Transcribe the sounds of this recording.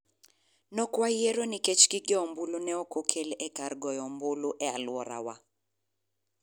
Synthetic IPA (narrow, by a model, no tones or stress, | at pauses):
nɔkwajeɾonɪket͡ʃɡɪɡɪɔmbulonɛokokʰelɛkarɡɔjɔmbʊloʔɛalwɔɾa̰wa